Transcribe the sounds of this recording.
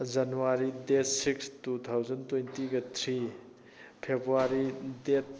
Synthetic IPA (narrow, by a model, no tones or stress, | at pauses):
d͡ʒanuwaɾidetsikstut̪ʰawzɐntwejntiɡɐtʰɾi | pʰebɾuaɾidet̚